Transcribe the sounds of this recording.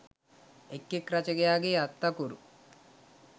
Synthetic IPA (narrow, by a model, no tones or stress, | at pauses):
ekːekɾat͡ʃeɡejaːɡeːat̪ːakoɾṵ